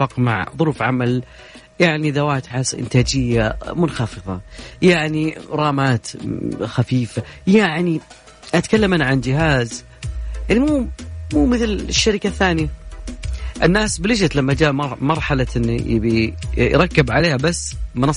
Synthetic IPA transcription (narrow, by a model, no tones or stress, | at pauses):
ɑqma̰ʕðˤʊɾuːfʕamal | jaʕniðawaːt̪ħasʔɪ̰nt̪aːd͡ʒɪjːamʊnxɑfɨðˤɑ̰jaʕniɾˤɑːmaːt̪xafiːfajaʕni | ʔat̪kalːamʔaniʕand͡ʒɪɦaːz | ʔaʕnimuːmuːmɪθlʃːaɾɪkaθːaːnja | ʔɪnːaːsbɪlɪd͡ʒat̪lamːad͡ʒaːʔmɑɾˤħalaʔɪn̰ːbijɾˤɑkːɪbʕaleːhabasːmɪnɑ